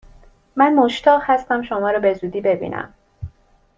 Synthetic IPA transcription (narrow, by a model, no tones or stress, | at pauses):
mænmoʃt̪ʰɒːʁhæst̪æmʃomɒːɾɒːbe̞zuːd̪iːbe̞bḭːnʔæ̰m